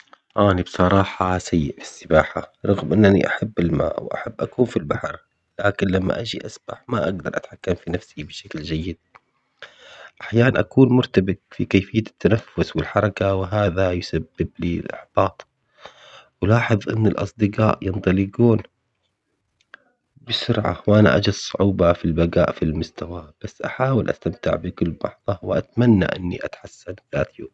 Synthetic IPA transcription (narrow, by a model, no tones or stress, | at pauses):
ʔaːnibsˤɑɾˤɑːħɑsajːɪʔfi̥sːɪbaːħaɾˤɑɣmʔɪnːanḭʔaħabːɪlma̰ːʔwʔa̰ħabːʔakuːnfilbaħɑɾˤ | laːkɪnlamːa̰ʔad͡ʒiʔasb̥aħmaʔaɡd̪ɑɾˤʔat̪ħakːamfinafsibɪʃakld͡ʒajːɪd̪̚ | ʔaħjaːnanʔakuːnmʊɾt̪abɪt̪fikeːfɪjːat̪ːanafːʊswɪlħɑɾˤɑkawɪɦaːðajʊsabːɪbliːlʔɪ̰ħb̥ɑːt̪ˤ | wɪlɑːħɨðˤʔɪ̰nːɪlʔɑ̰sˤd̪ɪqɑːʔjɨnt̪ˤɑlɪɡuːn | bɪsʊɾʕa̰wʔana̰ʔa̰d͡ʒadsˤʊʕuːbafilbaɡa̰ːʔfilmʊst̪awab̥asːʔaħaːwɪlʔa̰st̪amt̪ɪ̰ʕbɪkʊlːbɑ̰ħðˤɑwɪʔa̰t̪manːa̰ʔɪ̰nːḭʔat̪ħasːanðaːt̪ju